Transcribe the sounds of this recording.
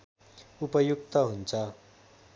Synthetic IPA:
upʌjuk̚t̪ʌɦunt͡sa

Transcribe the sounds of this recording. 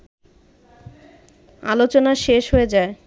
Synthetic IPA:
a̰lot͡ɕonaʃeʃɦoed͡ʑae

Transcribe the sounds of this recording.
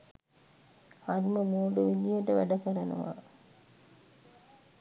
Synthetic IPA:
aɾməmuːɖəʋilijəʈəʋæɖəkəɾənə̰ʋa̰

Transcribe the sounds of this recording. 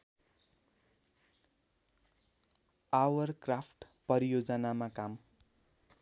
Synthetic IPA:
awʌrkrapʰʈpʌɾijod͡zʌnamakam

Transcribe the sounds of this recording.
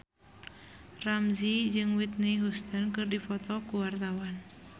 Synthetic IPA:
ramzid͡ʒɨŋwit̪̚niɦust̪ənkɨrdifɔt̪ɔkuwart̪awan

